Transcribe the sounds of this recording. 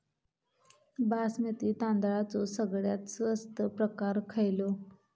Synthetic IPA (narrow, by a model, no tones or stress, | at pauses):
basmet̪iːt̪ãnd̪aɭat͡sosəɡɭjat̪səst̪əpɾəkaɾkʰəjlo